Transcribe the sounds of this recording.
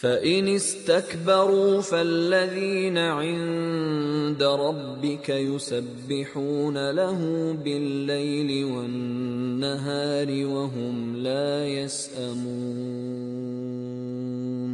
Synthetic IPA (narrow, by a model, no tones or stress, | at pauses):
faʔɪnɪst̪akbɑɾˤuːfalːaðiːnaʕɪnn | d̪aɾˤɑbːɪkajʊsabːɪħuːnalaɦʊmbɪlːajlɪwanːaɦaːɾɪwaɦʊmlaːjasʔamuː | n